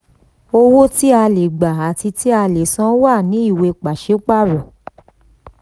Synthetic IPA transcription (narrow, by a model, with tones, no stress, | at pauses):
o˧wo˦ti˦a˧le˨ɡ͡ba˨a˨ti˧ti˦a˧le˨sã˦wa˦˨nĩ˨˦i˦˨we˧k͡pa˨ʃe˨˦k͡pa˦˨ɾɔ̃˨